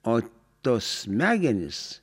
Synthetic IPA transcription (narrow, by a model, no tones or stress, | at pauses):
oː | t̪oːsmʲæːɡʲɛnʲɪ̰s